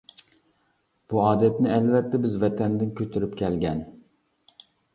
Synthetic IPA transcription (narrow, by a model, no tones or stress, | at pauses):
b̥uɑːd̪ɛt̪nɪɛlvɛt̪ʰːɛbɪzvɛt̪ʰɛnd̪ɪnkʲʰøt̪ʰyɾypkʲʰɛlɡʲɛn